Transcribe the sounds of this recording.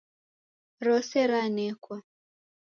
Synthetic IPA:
ɾɔsɛɾanɛkwa

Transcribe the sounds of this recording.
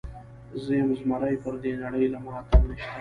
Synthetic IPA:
zəjamzmaɾajpəɾd̪enaɽəjlamɑːt̪anəʃt̪a

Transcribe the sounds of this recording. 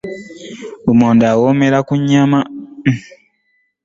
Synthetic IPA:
umoːndawomeɾakuɲːama

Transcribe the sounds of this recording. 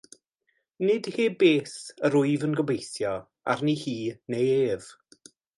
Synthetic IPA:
nɪd̥heːbeːsəɾʊɨvənɡɔbejθjɔ | a̰rnihiːnejeːv̥

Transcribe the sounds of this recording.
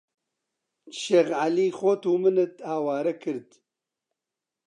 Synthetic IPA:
ʃeɣʕaliːxoːt̪uːmɨnɨt̪aːwaːɾɐkʰɨɾd̪

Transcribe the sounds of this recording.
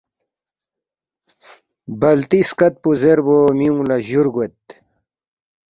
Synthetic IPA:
bɐlt̪iskɐt̪̚puzeɾboːmiũlɐʑuɾɡwet̪

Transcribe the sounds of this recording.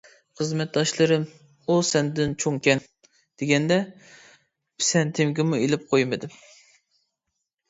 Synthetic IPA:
χəzmɛt̪̚d̪ɑʃlˠɨɾɨm | usɛnd̪ɪnt͡ʃʰoŋkʲɛn | d̪̥eɡʲɛnd̪ɛ | pʰɪ̥sɛnt̪ʰɪmɡʲɪmuelɪp̚qʰojmɨd̪ɪm

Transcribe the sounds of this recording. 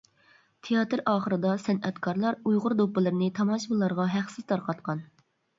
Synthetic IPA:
t̪ʰejɑːt̪ɨɾɑːχəɾɨd̪ɑsɛnɛt̪kʰɑɾlˠɑɾujʁʊɾd̪opːɨlˠɨɾnɪt̪ʰɑmɑʃbɨlˠɑɾʁɑɦæqsɪz̥t̪ʰɑɾqɑt̪qɑn

